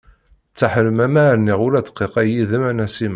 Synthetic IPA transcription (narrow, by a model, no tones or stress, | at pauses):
t͡sːaħəɾəmæmæɾniʁʊɾæd̪qːiqæjiðəmænæsim